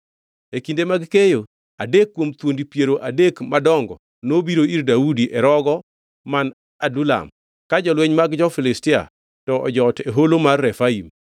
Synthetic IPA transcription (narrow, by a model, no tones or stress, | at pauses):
ekindemaɡkejo | adekːwomt̪wondipjeɾoʔadekmadɔŋɡɔ̰ | nobiɾoirdaudiʔɛɾɔɡɔ | man | adula̰m | kad͡ʒɔlweɲmaɡd͡ʒɔfɪlɪstɪa̰ | tɔʔɔ̰d͡ʒɔteɦolomarːɛfaim